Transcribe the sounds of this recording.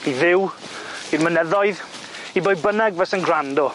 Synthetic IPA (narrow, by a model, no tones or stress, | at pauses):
iðɪw | irmənɛðɔɨð | ibojbənɛɡvɛsənɡrandɔ